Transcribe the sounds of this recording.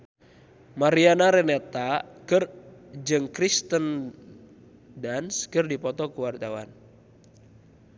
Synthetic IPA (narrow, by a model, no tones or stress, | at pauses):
maɾianaɾɛnɛt̪akɨrd͡ʒɨŋkɾist̪ən | danskɨrdipɔt̪ɔkuwart̪awan